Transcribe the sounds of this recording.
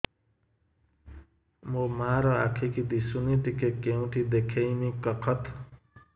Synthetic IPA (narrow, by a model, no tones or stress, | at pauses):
momaːɾʌakʰikid̪isunit̪ikekeũʈʰid̪ekʰejmikʌkʰʌt̪ʰ